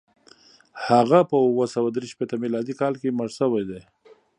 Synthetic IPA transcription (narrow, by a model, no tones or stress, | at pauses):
haɣapəwəsawad̪ɾeʃpet̪amilɑd̪ikɑlkeməʐsəwajd̪e